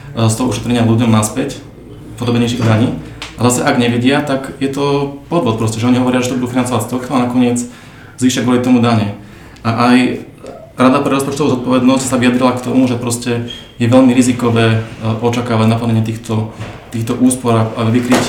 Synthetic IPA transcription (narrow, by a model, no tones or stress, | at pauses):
st̪ɔɦɔuʃɛ̥t̪ɾɛɲɪaluɟɔmnaspɛc | pɔd̪ɔbɛɲɛjʃiɣd̪aɲiː | azasɛʔaɡɲɛʋɛɟɪat̪akjɛt̪ɔpɔd̪ʋɔt̪̚pɾɔscɛʒɛɔɲiɦɔʋɔɾɪaʒɛt̪ɔbud̪uːfinant͡sɔʋacst̪ɔkt̪ɔanakɔɲɪɛd͡z | zʋiːʃaɡʋɔlit̪ɔmud̪aɲɛ | ʔaʔaj | ɾad̪apɾɛɾɔspɔt͡ʃt̪ɔʋuːzɔt̪̚pɔʋɛd̪nɔscsaʋijad̪ɾilakt̪ɔmuʒɛpɾɔscɛ | jɛʋɛʎmiɾizikɔʋɛːʔɔt͡ʃakaːʋaɟnapl̩ɲɛɲɪɛt̪iːxt̪ɔt̪iːxt̪ɔʔuːspɔɾaaʋikɾic